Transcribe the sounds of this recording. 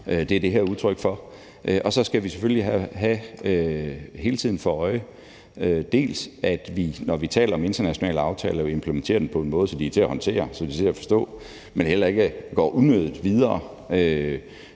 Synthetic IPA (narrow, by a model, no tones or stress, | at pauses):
ʔød̥e̝æɐd̥e̝ɦæɐ̰uðˠt͡sʰʁœɡ̥fɒ̽ | ʔøʔɒ̽sɒ̽sɡ̥æʋise̥føliɦæɦæøhe̝ːlət͡sʰið̰ˠn̩fɒɒ̽ɪə | ød̥e̝̰ːlsæd̥ʋinɒʋit͡sʰɛ̰ːlɐɒ̽me̝nd̥ɐnæɕo̝nɛ̰ːləɑ̈ʊt͡sʰɛ̰ːlɐempʰləment͡sʰe̝̰ːɐd̥en̩pʰɒ̽e̝nmɔ̽ːð̞̩ˠsɒ̽d̥iæt͡sʰe̝æhɒ̽nt͡sʰe̝̰ːɐsɒ̽d̥it͡sʰe̝æfɒ̽sd̥ɔ̰̽ː | menhel̰ɐe̝ɡ̥əɡ̥ɒ̰ːʔunøðˠð̩ˠʋið̞ˠɐː | ø